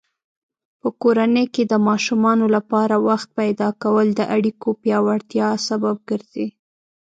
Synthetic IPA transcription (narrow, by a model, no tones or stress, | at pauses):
pəkoɾanəjked̪əmɑʃumɑnolapɑɾawaxt̪̚pajd̪ɑkawəld̪əʔaɽikopjɑwaɽt̪jɑsabab̚ɡəɾz̥i